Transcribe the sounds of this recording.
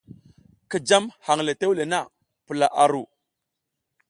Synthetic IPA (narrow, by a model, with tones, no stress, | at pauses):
ki˨d͡ʒa˦mha˨ŋle˨te˦wle˨na˦˨ | pu˨la˨ʔa˨ɾu˨